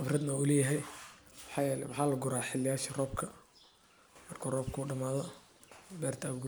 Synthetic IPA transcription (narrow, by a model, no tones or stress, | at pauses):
ʔfrɐd̪nɐulɛːjɐɦɛjwħɑːjɛːlɛ̰wɑħɑːlɐɡʊɾaːħɪlɪjaːʃɐrɔːbkʰɐ | mɐrkʰɔːrɔːb̚kʰuːɖɐmaːðɔ | bɛːrt̪ʰaːɡ